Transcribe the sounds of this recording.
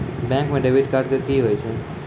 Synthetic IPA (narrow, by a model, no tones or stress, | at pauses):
bɛ̃ŋkmẽɖeʋɪʈkaːɾʈkəkiɦoːjt͡ʃʰe